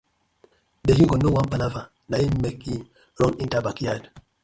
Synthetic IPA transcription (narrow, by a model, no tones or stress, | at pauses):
dehiɡɔnowampalava | najemmɛki | ɾɔnintabakijad